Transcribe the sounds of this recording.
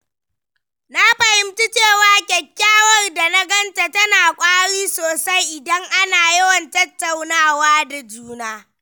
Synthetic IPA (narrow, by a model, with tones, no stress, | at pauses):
na˦ɸɐ˨hɪ˨mti˦t͡ʃeː˦˨waː˨kʲɛ˨kʲːaː˦wɐ˦˨rda˨na˦ɡɐ˦nta˨tɐ˦naː˨kʷʼaː˦ɽiː˦soː˨sa˦jʔɪ˨dɐ˦ŋʔa˦naː˨jɐ˦wɐ˨ntɐ˦tːa˨wnaː˦waː˦da˨d͡ʒuː˦naː˦